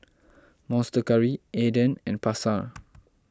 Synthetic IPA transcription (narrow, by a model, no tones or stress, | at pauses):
mɔ̃nstəkaɹiedə̃nɛ̃npasa